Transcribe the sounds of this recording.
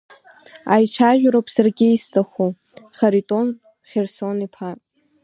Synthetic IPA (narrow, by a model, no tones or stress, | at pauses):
ajt͡ʃʷʰaʒʷᶣɾopʰʼsarɡʲɪistʰaχoχaɾitʼon | χʲersonipʰatʼ